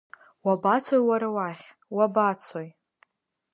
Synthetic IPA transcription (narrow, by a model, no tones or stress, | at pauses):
wabat͡sʰojwaɾawaχʲ | wabat͡sʰoj